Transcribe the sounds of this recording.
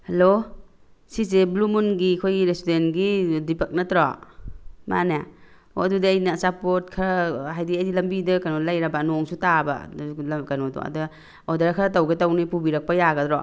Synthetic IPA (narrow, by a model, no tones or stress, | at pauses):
halo | sis̬eblumunɡikʰojɾesidenɡidipak̚natɾɔ | ma̰na | o̰dudaːjnasapɔt̚kʰaɾɦajdiajdilɐmbidɐkanɔlajɾabanɔŋsutaba̰lkanɔdɔ̰a̰dɯ | ɔdaɾakʰaɾtawɡetawnipubiɾɐk̚pajaɡɐtɾɔ